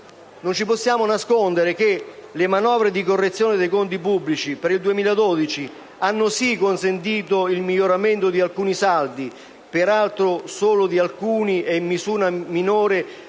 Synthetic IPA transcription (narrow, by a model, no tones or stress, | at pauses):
nont͡ʃiposːjaːmonaskond̪eɾek̟elemanɔːvɾed̪ikorːet̪sːjoːnɪd̪ejkont̪̬ip̬ubːlit͡ʃipeɾild̪uemiːlad̪ɔːd̪it͡ʃi | anːʊsikonsent̪̬iːt̪oilmiʎːoɾament̪od̪ialkuːnisald̪i | peɾalt̪ɾosoːlʊd̪ialkuːnieimːizuːɾaminoːɾe